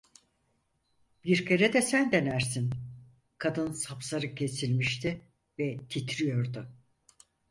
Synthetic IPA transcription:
b̥iɾkʰeɾɛd̪ɛsænd̪e̞næɾsin | kʰad̪ɯnsapsaɾɯcʰe̞silʲmiʃt̪ʰi | vɛt̪ʰit̪ʰɾijo̞ɾd̪ʊ

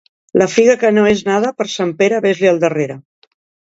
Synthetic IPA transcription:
ləfiɣəkənoeznað̞əpəɾsampeɾəβezliəlˠd̪əreɾə

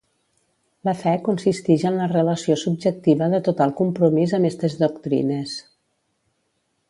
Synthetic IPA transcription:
ləfɛkunsist̪iʒənlərələsiosub̚d͡ʒək̚t̪iβəðət̪ut̪alˠkumpɾumizəmest̪əzðukt̪ɾḭnəs

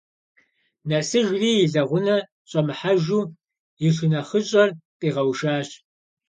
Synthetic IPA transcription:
nɐsɨʒriːjɪɮɐʁʷʊnɐ | ɕʼɐmɨħaʒuː | jɪɬʊnɐχəɕʼɐrpʼiːʁɐwʃaːɕ

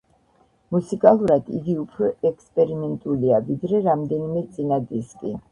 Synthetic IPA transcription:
musikʼalˠuɾad̪̥ḭɡiupʰɾɔɛkspʼɛɾimɛnt̪ʼuliavid̪ɾɛɾamd̪ɛnimɛt̪sʼinad̪iskʼi

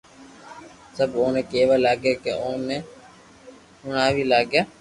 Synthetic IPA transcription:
səbõːnẽːkeːʋaːlaːɡeːkḛõːneː | hʊɳaːʋiːlaːɡjaː

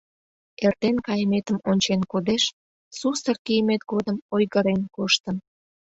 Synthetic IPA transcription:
ert̪enkɑjəmet̪əmonʲt͡ɕenkod̪eʃ | sust̪ərkijəmet̪ɡod̪əmojɣəɾenkoʃt̪ən

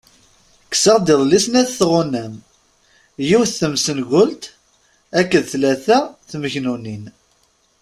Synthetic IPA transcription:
kːsəʁd̪iðˤlisnæθθʁʊnːæm | jiwθθəmsənʝʊlt̪ | ækːəðθlæθæθməçnunin

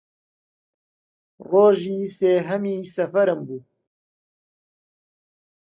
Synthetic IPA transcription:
roːʒiːseːɦɐmiːsɐfɐɾɨmbuː

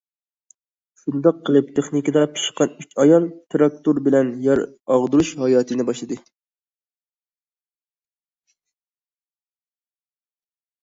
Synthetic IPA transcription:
ʃund̪ɑqʰːəlˠɨp̚t̪ʰeχnikɨd̪ɑpʰi̥ʃqʰɑnyt͡ʃʲɑjɑlˠt̪ʰɾɑk̚t̪uɾbɪlɛnjɑɾ | ɑʁd̪uɾuʃhɑjɑːt̪ʰɨnɪbɑʃlˠɨd̪ɨ

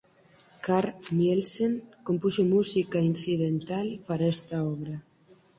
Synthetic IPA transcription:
kaɾnelseŋkompusomusikɐin̟θiðent̪alpaɾaɛst̪ɐɔβɾɐ

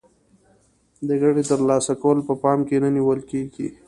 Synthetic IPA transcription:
d̪əɣaɽit̪əɾlɑsakawəlpəpɑmkenaniwəlkeɡḭ

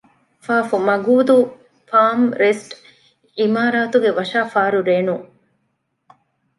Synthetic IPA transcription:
faːfumɐɡuːd̪u | faːmɾesʈ | imaːɾaːt̪uɡeʋɐʃaːfaːɾuɾeːnuŋ

